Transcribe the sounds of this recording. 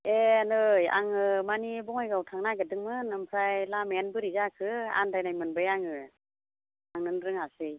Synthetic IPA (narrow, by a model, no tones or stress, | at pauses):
enɯja̰ŋɯmanibɔŋajɡawtʰaŋnaɡɯdɯŋmɯnɯmpʰɾajlamenbɯɾizakʰɯa̰ndajnajmɯnbɯjaŋɯ | aŋnɯnɾɯŋasɯj